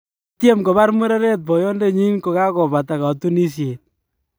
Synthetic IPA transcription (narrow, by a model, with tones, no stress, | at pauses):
tje˦mko˨βa˦rmu˦ɾe˦ɾe˦t̚pɔ˨jɔ˦nde˦ɲi˦nko˨ka˦kɔ˨ba˨ta˨ka˨tu˦ni˦sie˨